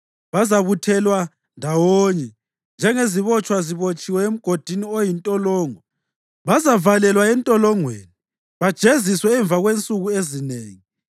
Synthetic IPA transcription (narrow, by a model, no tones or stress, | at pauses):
βazaβutʰɛlwa | ndʱawoɲɛ | nd͡ʒʱɛŋeziβɔt͡ʃʼwaziβot͡ʃʼiwɛem̩ɡ̥ʱod̥ʱiniojintʼɔlɔːŋɔ | βazavalɛlwaɛntʼɔlɔŋwḛːni | βad̥ʒ̥ʱeziswɛːɱb̪vʱaɣwent͡sʼuɣuezineːŋi